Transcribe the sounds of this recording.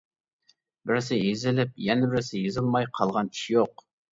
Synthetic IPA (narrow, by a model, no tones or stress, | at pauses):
bɪɾɪs̬ɪjezɪlɪp̚jɛnɪbɪɾsɪjezɨlˠmɑjqʰɑlˠʁɑni̥ʃijoq